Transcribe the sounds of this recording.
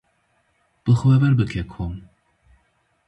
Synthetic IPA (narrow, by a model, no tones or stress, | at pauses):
b̥ɨxwɛvɛɾbɨkʲʰekʰom